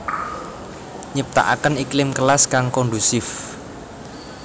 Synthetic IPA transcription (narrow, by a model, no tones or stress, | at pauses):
ɲəp̚t̪a̰ʔa̰kəniklɪmkəlaskaŋkɔɳɖusɪf